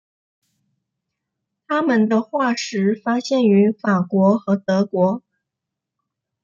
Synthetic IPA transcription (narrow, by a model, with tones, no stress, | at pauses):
t̪ʰa˥mə˨nd̪ə˧xwa˥˩ʂɻ̩˧˥fa˥ɕjɛ˥˩ny˧˥fa˨˩kwɔ˧˥xɤ˧˥t̪ɤ˧˥kwɔ˧˥